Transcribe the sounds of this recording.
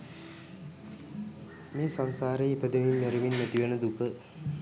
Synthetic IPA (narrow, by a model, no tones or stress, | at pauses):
meːsaŋsaːɾeipəd̪eʋinːeɾiʋinːæt̪iʋenəd̪ukə